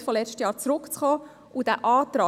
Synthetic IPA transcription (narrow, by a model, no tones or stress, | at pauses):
fɔlɛt͡ʃtəjɑːɾt͡sɾʊkt͡sχɔː | ud̥æʔɑːtɾɑː